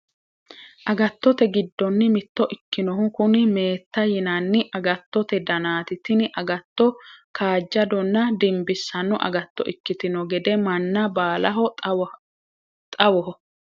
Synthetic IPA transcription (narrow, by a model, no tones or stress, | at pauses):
ʔɐɡɐt̪ːɔt̪ɛɡɪd̪ːɔnːɪmɪt̪ːɔʔɪkːɪnɔɦʊkʊnɪme̞ːt̪ːɐjɪnɐnːɪʔɐɡɐt̪ːɔt̪ɛd̪ɐnaːt̪ɪt̪ɪnɪʔɐɡɐt̪ːɔkaːd͡ʒːɐd̪ɔnːɐd̪ɪmbɪsːɐnːɔʔɐ̰ɡɐt̪ːɔ̰ʔɪkːɪt̪ɪnɔɡɛd̪ɛmɐnːɐbaːlɐɦɔ | t̪ʼɐwɔɦɔ